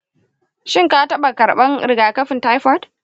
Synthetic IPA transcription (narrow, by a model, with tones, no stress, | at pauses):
ʃɪ˦ŋkaː˦tɐ˦ɓa˨kɐ˨ɾɓɐ˦ŋɾɪ˨ɡaː˨kɐ˦ɸɪ˨nta˦jɸɔ˦d